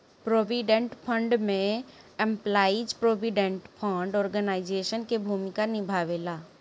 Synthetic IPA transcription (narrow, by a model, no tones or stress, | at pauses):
pɾoːʋiɖə̃ɳʈpʰə̃ɳɖmẽɛ̃mplaːid͡ʒpɾoːbiɖẽɳʈpʰə̃ɳɖɔːɾɡənaːɪd͡ʒeːʃənkebʱuːmɪkanɪbʱaːʋeːlaː